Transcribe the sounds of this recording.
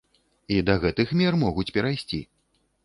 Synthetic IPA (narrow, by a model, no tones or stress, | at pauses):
id̪ɐɣɛt̪ɨxmʲɛrmɔɣut͡sʲpʲɛɾajsʲt͡sʲḭ